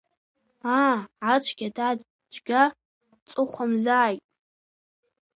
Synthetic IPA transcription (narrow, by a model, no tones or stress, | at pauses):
aʕat͡ʃʷʰɡ̥ʲada | d͡ʒʷʰɡʲa | t͡sʼɨχʷamzaːjtʼ